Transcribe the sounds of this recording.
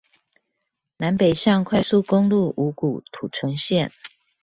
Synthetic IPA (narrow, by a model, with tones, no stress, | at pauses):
na˧˦npe˨˩ɪɕjɑ˥˨ŋkʰwa˥˧ɪsu˥˨ko˥ŋlu˥˨ʔu˧˦ku˨˩t̪ʰu˨˩ʈ͡ʂʰɤ˧˦ŋɕjɛ˥˨n